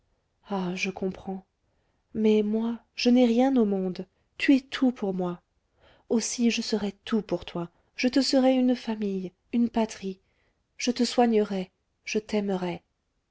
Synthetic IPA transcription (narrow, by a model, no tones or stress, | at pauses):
aʒəkʰɔ̃pχɑ̃ | mɛmwaʒ̥ənɛʁjɛ̃nomɔ̃d̪ | t̪yɛt̪ʰupʰuʁmwa | osiʒəsəʁɛt̪ʰupuʁt̪wa | ʒ̥ət̪əsəʁɛynfamij | ynpat̪χi | ʒ̥ət̪əswaɲəʁɛ | ʒ̥ət̪ɛməʁɛ